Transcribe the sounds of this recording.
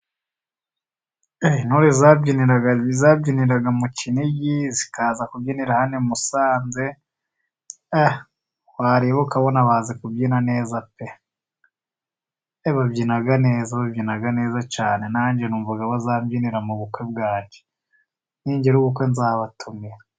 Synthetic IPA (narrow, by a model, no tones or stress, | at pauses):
enuɾizabɟiniɾaɡaizaːbɟiniɾaɡamuciniɟizikaːzakubɟiːniɾahanemusaːnze̞ | a | waːɾeβokaβonaβaːzekubɟiːnane̞ːzape | eβabɟinaɡane̞ːzaβabɟinaɡane̞ːzat͡ʃaːne̞naːɲɟenuːɱvaɡaβazaːmɟiniɾamuβukwe̞b̚ɡaːɟe̥ | niːɲɟeɾuβukwe̞nzaːβatʰumiɾa